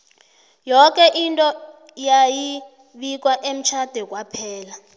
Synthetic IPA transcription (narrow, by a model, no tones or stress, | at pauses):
jɔk̬ʼɛʔintʼɔ | jaji | ɓik̬waʔem̩t͡ʃʰad̥ʱɛk̬wapʰɛːla